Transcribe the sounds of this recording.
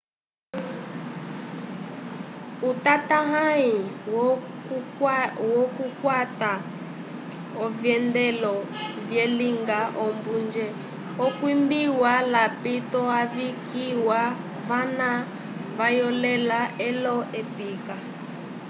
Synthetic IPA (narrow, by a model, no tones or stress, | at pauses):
utataɦai | wɔkukwata | ɔvjɛndɛlɔ | vjɛliŋɡaʔɔmbund͡ʒɛ | ɔkwimbiwalapitɔaβikiwa | vana | βajɔlɛlaɛlɔʔɛpika